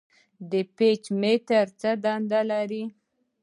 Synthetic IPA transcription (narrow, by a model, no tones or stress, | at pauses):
d̪əpet͡ʃmet̪aɾt͡sad̪and̪alaɾi